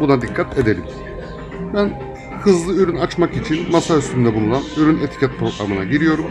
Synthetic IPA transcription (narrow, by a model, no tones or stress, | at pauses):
bunad̪ikʰːat̪ʰe̞d̪e̞lʲḭm | bæn | hɯzlˠɯyɾynat͡ʃmakit͡ʃʰinmasayst̪ʰynd̪ɛbulˠunanyɾynet̪ʰi̥cʰat̪̚pʰɾo̞ɡɾa̰mɯnaɟiɾijo̞ɾum